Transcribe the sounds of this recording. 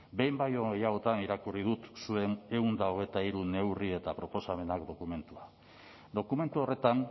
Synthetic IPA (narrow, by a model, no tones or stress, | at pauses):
be̞jmbajoejaot̪aniɾakurið̞ut̪sue̞ne̞und̪aoɣ̞e̞t̪aiɾune̞wrie̞t̪apɾo̞po̞same̞nakd̪o̞kume̞nt̪ua | d̪o̞kume̞nt̪uo̞re̞t̪an